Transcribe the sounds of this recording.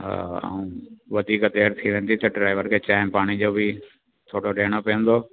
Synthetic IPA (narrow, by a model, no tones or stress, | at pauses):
a̰ũːʋɐd̪iːkt̪eːɾt̪ʰiʋɛ̃ːnd̪it̪ɐɖɾaːɪʋəɾkʰeːt͡ɕaːɪmpaːɽ̃id͡ʑoːbʱɪ | t̪ʰoːɽoɖeːɽ̃opijə̃nd̪oː